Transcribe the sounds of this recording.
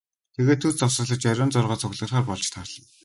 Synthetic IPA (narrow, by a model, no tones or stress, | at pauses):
t̪ʰeɣeːt̪ʰːɵrt͡sɔsə̆ɮə̆t͡ɕœɾʲɔːnt͡sʊrʁɔːt͡sʰʊɣɮə̆rχaːrpɔɮt͡ɕt̪ʰarɮ̥ɞ̆n